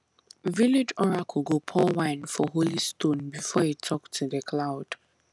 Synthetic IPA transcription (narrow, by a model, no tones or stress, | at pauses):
vilid͡ʒɔɹakʰuɡopʰɔwãɪ̃nfɔɦolistõnbifɔitʰɔktʰuðəkʰlaʊd̥